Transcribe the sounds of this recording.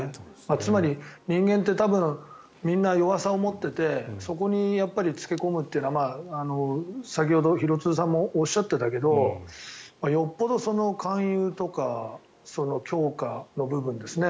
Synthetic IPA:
mat͡sɨmaɾʲiɲ̟ĩŋɡẽ̞nt̪̬ːe̞t̪abɯ̟̃ɰ | mʲĩnːajo̞βasaomo̞t̪ːe̞t̪e̞so̞k̬o̞ɲ̟ijapːaɾʲit͡sɨ̥kʲe̞ko̞mɯ̟t̪ːeiɯ̟naamaːano̞sak̬ʲiho̞d̪o̞çiɾo̞t͡sɨːs̬ãmːo̞ːɕːat̪ːe̞t̪ake̞d̪o̞ | majo̞pːo̞d̪o̞so̞no̞kʰãɰ̃jɯːt̪o̞ka | so̞no̞kʲo̞ːkano̞bɯ̟bɯ̟̃nd̪e̞sɨne̞

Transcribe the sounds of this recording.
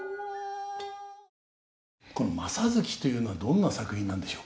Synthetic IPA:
ko̞no̞masazɨkʲi̥t̪o̞jɯ̟ːno̞βad̪õ̞nːasakɯ̟hĩnːãnd̪e̞ɕoːk

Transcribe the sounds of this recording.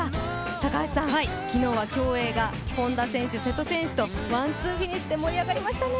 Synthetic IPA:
t̪akaɕi̥sãhaikʲino̞ːβakʲo̞ːe̞ːɡa | kõ̞nd̪asẽ̞ɕɨse̞t̪ːo̞sẽ̞ɰ̃ɕɨ̥t̪o̞βãnt͡sɨːɸiɲ̟iɕi̥t̪e̞mo̞ɾʲiaɡaɾʲimaɕi̥t̪ane

